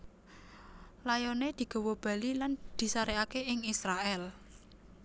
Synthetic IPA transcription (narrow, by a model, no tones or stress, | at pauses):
lajɔned̪̥i̤ɡ̥o̤wob̥a̤liland̪̥i̤saɾeakeɪŋisɾaʔɛl